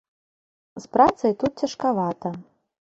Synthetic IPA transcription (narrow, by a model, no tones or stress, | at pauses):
spɾat̪sɐjt̪ut̪̚t͡sʲɐʂkavat̪ɐ